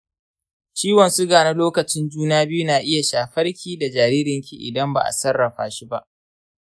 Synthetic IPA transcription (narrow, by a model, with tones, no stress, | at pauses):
t͡ʃiː˦wɐ˨nsu˦ɡaː˨na˦loː˦kɐ˨t͡ʃɪ˦nd͡ʒuː˦naː˦bɪ˦ju˦naː˨ʔɪ˦ja˨ʃaː˨ɸɐ˦rkʲiː˦˨da˨d͡ʒaː˨ɾiː˦ɾɪ˨ŋkʲḭ˨ʔɪ̰˨dɐ˦mba̰˨ʔa̰˨sɐ˦rːɐ˨ɸa̰ː˦ʃi˦ba˦ʔ